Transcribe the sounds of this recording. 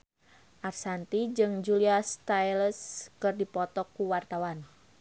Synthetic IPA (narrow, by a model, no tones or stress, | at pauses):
ʔarsant̪id͡ʒɨŋd͡ʒuliast̪ajləskɨrdipɔt̪ɔkːuwart̪awan